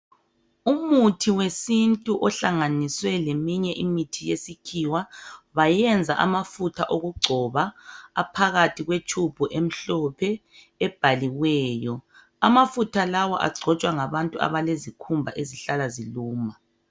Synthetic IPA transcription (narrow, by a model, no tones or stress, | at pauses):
umutʰiwesintʼuʔɔɬaŋaniswɛlemiɲɛʔimitʰijesikʰiwaβajɛnd͡zʱaʔa̰mafutʰaʔoɣuɡ͡ǀʱɔβaːpʰaɣatʰiɣwet͡ʃʰʼub̥ʱuʔem̩ɬɔpʰɛ | ɛb̥ʱaliwɛːjɔ | amafutʰalawɔ̰ʔa̰ɡ͡ǀʱɔt͡ʃʼwaŋaβantʼua̰βalezikʰumbʱa̰ʔeziɬalaziluːma